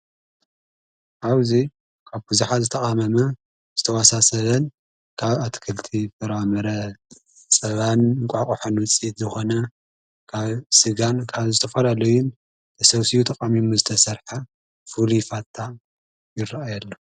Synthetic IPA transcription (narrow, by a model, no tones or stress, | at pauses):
ʔawzi | kʰaβbɨzuħazɨt̪ʰɐχʼamɐmɐ | zɨt̪ʰɐwasasɐβɐn | kʰaβat̪ʰkʰɨlt̪ʰifɨɾamɐɾɐ | t͡sʼɐβanɨŋkʷʼakʼuħonwɨt͡sʼit̪zɨxo̞nɐ | kʰaβsɨɡankʰaβzɨt̪ʰɐfɐlalɐjun | t̪ʰɐsɐβsijut̪ʰɐkʼamimuzɨt̪ʰɐsɐɾħa | fulifat̪ʰːa | jɪrːaajalːo